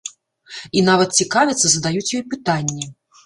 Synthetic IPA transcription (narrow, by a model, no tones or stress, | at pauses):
inavɐt̪̚t͡sʲikavʲɛt̪sːɐzɐd̪ajut͡sʲjɔjpɨt̪anʲːɛ